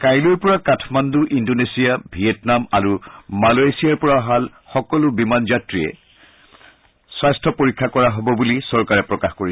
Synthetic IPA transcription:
kajluɹpɔɹakatʰmanduʔindonesijabʱijɛtnamaɹumalajsijaɹpɔɹaɦal | xɔkɔlʊbimanzatɹiɛ̰ | swajstʰɔpoɹikʰːakɔɹaɦobɔbulisɔɹkaɹɛpɹɔkaxkoɹi

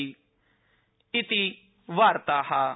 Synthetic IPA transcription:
ɪt̪i | ʋaːɾt̪aːhaː

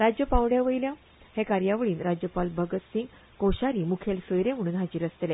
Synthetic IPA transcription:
ɾad͡ʑjəpãwɽjaʋəjljã | hẽkaɾjaʋəɭiːnɾad͡ʑjəpalbʱəɡət̪sĩŋɡ | koɕaɾiːmukʰelsəjɾem̤əɽ̃uːnɦad͡ʑiːɾəst̪le

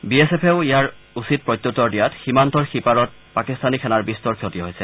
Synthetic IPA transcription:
biesepʰeʊijaɹ | usit̚pɹɔjtːjotːɔɹdijatximantɔɹxipaɹɔt̚pakistanikʰɛnaɹbistɔɹkʰjotiɦojsɛ

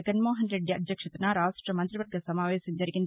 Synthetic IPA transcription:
ɐɡɐnmoːɦɐnɾeɖːiɐ̰d̪ʱjɐkʂɐt̪ɐnɐɾaːsʈɾɐmɐnt̪ɾiʋɐɾɡʱɐsɐmaːʋɛːsɐmd͡ʒɐɾiɡind̪

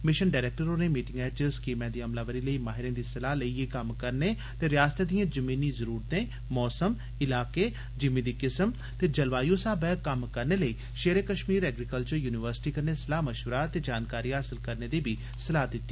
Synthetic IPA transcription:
mɪʃənɖaːɾeːk̚ʈəɾoːneːmiːʈɪ̃ŋɡɛːt͡ʃəskiːmɛ̃ːd̪iːəmlaːʋəɾiːləiːmaːɦɪɾẽːd̪iːsəlaːləiekəmkəɾneː | t̪eːɾɪjaːst̪eːd̪ijãːd͡ʒəmĩːnĩːzəɾuːɾt̪ẽː | mɔːsəm | ɪlaːkeː | d͡ʒɪmẽːd̪iːkɪsəm | t̪eːd͡ʒəlʋaːjoːsaːbɛːkəmkəɾneːləiː | ʃeːɾekəʃmiːɾɛːɡɾikəlt͡ʃəɾjuːnɪʋəɾsɪ̥ʈiːkəɾneːsəlaːməʃʋɾaːt̪eːd͡ʒaːnkaːɾiːɦaːsɪlkəɾneːd̪iːbʱiː | səlaːd̪ɪt̪ːiː

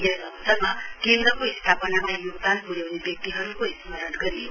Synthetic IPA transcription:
ɡekʌsʌnmakend̪ɾʌkoist̪ʰapʌnamajuɡ̚d̪anpuɾjawnebjʌk̚t̪iɦʌɾukoist̪imʌɾʌʈɡʌɾi

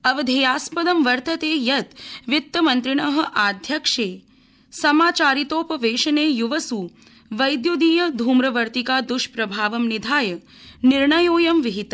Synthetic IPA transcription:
ɐʋɐd̪ʱejaːspɐd̪ɐmʋɐɾt̪ɐt̪eːjɐt̪ʋit̪ːɐmɐnt̪ɾiɳɐɦɐ̆ʔaːd̪ʱjɐkʂeː | sɐmaːt͡ʃaːɾit̪oːpɐʋeːʃɐneːjuʋɐsuː | ʋɐjd̪jud̪iːjɐd̪ʱuːmɾɐʋɐɾt̪ikaːd̪uʃpɾɐbʱaːʋɐmnid̪ʱaːjɐ | niɾɳɐjoːjɐmʋiɦit̪ɐ

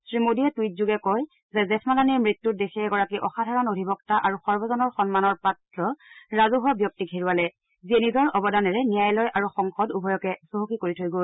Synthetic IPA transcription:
sɹimodiɛtuit̚zuɡɛkɔj | zɛzɛsmalaniɹmɹitːut̚dexɛɛɡɔɹakiʔɔxadʱaɹɔnodʱibɔk̚taʔaɹuxɔɹbɔzɔnɔɹxɔnmanɔɹpatɹɔɹazuɦabjɔk̚tiɡʰʱeɹualɛ | ziɛnizɔɹʔɔbɔdanɛɹɛnijajlɔjʔaɹuxɔŋxɔdubʱɔjɔkɛsoɦokikoɹitʰojɡo

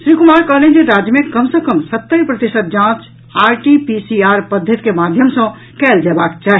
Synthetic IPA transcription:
sɾikumaɾkəɦlẽd͡ʒeɾad͡ʒjəmẽkəmsẽkəmsət̪ːəjpɾət̪isət̪̚d͡ʒãt͡ʃ | aɾʈipisiaɾpəd̪ʱjət̪ikemad̪ʱjəmsə̃ | kɛld͡ʒɛbakt͡ʃaːɦ

